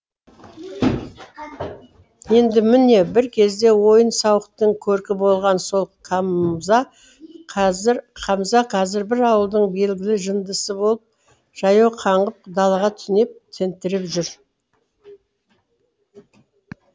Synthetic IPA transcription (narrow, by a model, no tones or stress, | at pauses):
je̞nd̪ɪmɪne̞bɪɾkʲʰe̞zd̪e̞wo̞jənsɑwəqt̪əɴkʲʰɵɾkʲɪbo̞lˠʁɑnso̞lˠqʰɑmzɑ | qʰɑzɾqʰɑmzɑqʰɑzɪɾbɪɾɑwəlˠd̪əɴbe̞lɡʲɪlɪʒənd̪əsəbolˠəp̚ | ʒ̥ɑjɑwqʰɑɴʁəp̚d̪ɑlˠɑʁɑt̪ʰʏ̥sɪne̞p̚t̪ʰe̞nt̪ɪɾɪpʒʏɾ